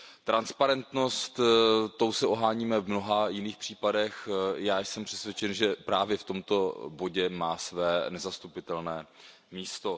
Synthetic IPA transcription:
t̪ɾanspaɾɛnt̪no̞st̪t̪ːo̞wsɛʔoɦaːɲiːmɛvmno̞ɦajɪniːxpr̥iːpadɛxjaːjsɛmpr̝̥ɛsvʲjɛt͡ʃɛnʒɛpɾaːvjɛft̪o̞mt̪o̞bo̞ɟɛmaːsvɛːnɛzast̪upɪt̪ɛlnɛː | miːst̪o̞

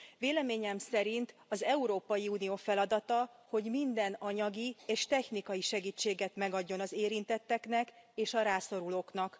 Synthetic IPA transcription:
veːlɛmeːɲɛmsɛɾint̪ɒzɛuɾoːpɒjiuːnijoːfɛlɒd̪ɒt̪ɒho̞ɟmind̪ɛnɒɲɒɡieːʃt̪ɛçnikɒjiʃɛɡiːt͡ʃːeːɡɛt̪mɛɡɒɟːo̞nɒzeːɾint̪ɛt̪ːɛknɛkeːʃɒɾaːso̞ɾuloːknɒk

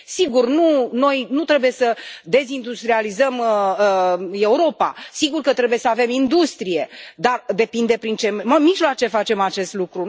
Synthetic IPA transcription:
siɡurnuno̞jnut̪ɾe̞buje̞səd̪e̞zind̪ust̪ɾializəm | e̞uɾo̞pa̰siɡurkət̪ɾe̞buje̞səave̞mind̪ust̪ɾije̞d̪ard̪e̞pind̪e̞pɾint͡ʃe̞mmiʒloat͡ʃe̞fat͡ʃe̞mat͡ʃe̞st̪lukɾu

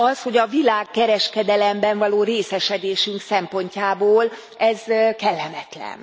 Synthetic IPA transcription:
ɒsho̞ɟɒvilaːkːɛɾɛʃkɛd̪ɛlɛmbɛɱvɒloːɾeːsɛʃɛd̪eːʃyŋksɛmpo̞ɲcaːboːl | ɛzkɛlːɛmɛt̪lɛ̰n

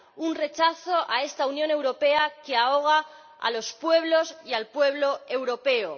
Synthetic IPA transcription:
unre̞t͡ʃaθo̞ʔae̞st̪aunjõ̞ne̞wɾo̞pe̞akeaoɣ̞a | a̰lo̞spwe̞β̞lo̞sialpwe̞β̞lo̞e̞wɾo̞pe̞o

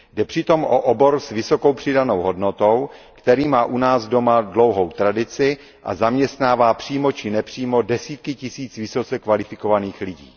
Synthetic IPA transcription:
dɛpr̝̥ɪt̪o̞mʔoʔobo̞ɾsvɪso̞ko̞wpr̝̥ɪdano̞wɦo̞dno̞t̪owkt̪ɛɾiːmaːʔunaːzdo̞madlo̞wɦowt̪ɾadɪt͡sɪ | ʔa̰zamɲɛst̪naːvaːpr̝̥iːmo̞t͡ʃɪnɛpr̝̥iːmo̞dɛsiːt̪kɪcɪsiːt͡svɪso̞t͡sɛkvalɪfɪko̞vaniːxlɪɟḭː

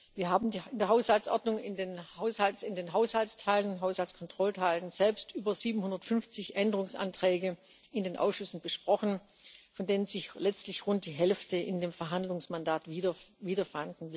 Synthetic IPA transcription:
viːɐɦaːbm̩diɪndeːɐɦaʊshalt͡sʔɔɐdnʊŋɪndeːnhaʊshalt͡sɪndeːnɦaʊshalstʰaɪlənɦaʊshalt͡sskʰɔntʁ̥ɔltʰaɪlənz̥ɛlpstʔyːbɐziːbm̩hʊndɐtfʏnft͡sɪçʔɛndəʁ̞ʊŋsʔa̰ntʁ̥ɛːɡə | ɪndeːnʔa̰ʊsʃʏsn̩b̥əʃpʁ̥ɔxn̩ | fɔndeːnənzɪçlɛt͡stlɪçʁʊnt̚d̥iːɦɛlftəʔɪndeːmfɛɐɦandlʊŋsmandaːtvidɐviːdɐfandn̩vɪ

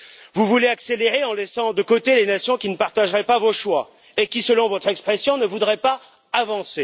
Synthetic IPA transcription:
vuvuleakseleʁeɑ̃lɛsɑ̃d̪əkot̪elenasjɔ̃kʲinəpaʁt̪aʒʁɛpavoʃwa | ekʲisəlɔ̃vɔt̪χɛkspχɛsjɔ̃nəvud̪ʁɛpaː | vɑ̃se

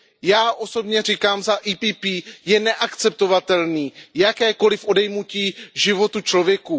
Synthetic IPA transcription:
jaːʔo̞so̞bɲɛr̝ikaːmzaʔiːpiːpiːjɛnɛʔakt͡sɛp̚t̪o̞vat̪ɛlniːjakɛːko̞lɪfʔo̞dɛjmuciːʒɪvo̞t̪ut͡ʃlo̞vjɛku

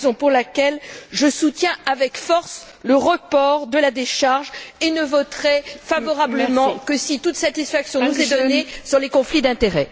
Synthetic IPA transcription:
zɔ̃puʁlakʲɛlʒəsut̪jɛ̃avɛkfɔʁs | ləʁəpɔʁd̪əlad̪eʃaʁʒenəvɔt̪χɛfavɔʁabləmɑ̃kəsit̪ut̪sat̪isfaksjɔ̃nuzɛd̪ɔnesyʁlekɔ̃flid̪ɛ̃t̪eʁɛ

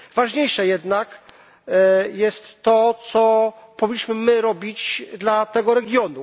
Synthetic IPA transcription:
vaʐɲejʂɛjɛd̪nak | jɛst̪ːɔt̪sɔpɔvʲiɲːiɕmɘmɘɾɔbʲit͡ɕd̪lat̪ɛɡɔɾɛɡʲjɔnu

